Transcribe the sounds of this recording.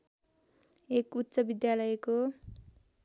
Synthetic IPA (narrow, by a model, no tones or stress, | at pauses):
ekut̪ːsʌbid̪jalʌjko